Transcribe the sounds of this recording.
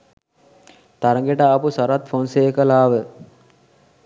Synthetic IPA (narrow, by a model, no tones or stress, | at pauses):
t̪aɾəŋɡeʈəːpusaɾat̪fonseːkəlaːʋə